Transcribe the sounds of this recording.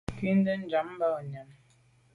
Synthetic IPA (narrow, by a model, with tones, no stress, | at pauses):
kwi˦n˦də˦n̩˦d͡ʒa˨˦m˦ba˦˨ɲa˨˦m